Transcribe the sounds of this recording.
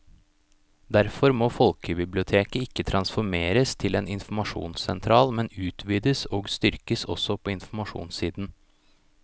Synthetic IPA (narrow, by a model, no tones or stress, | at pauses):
d̪æɾfɔɾmoːfɔlkəbɪblɪʊt̪ʰeːkəɪkːət̪ʰɾɑnsfɔɾmeːɾəst̪ʰɪleːnɪnfmɑʂṵːnsɛnt̪ʰɾɑːlmɛnʉːt̪ʰʋiːd̪əsoːɡst̪ʏɾkəsɔ̰sɔpʰoːɪnfm̩ɑʂṵːnsiːd̪n̩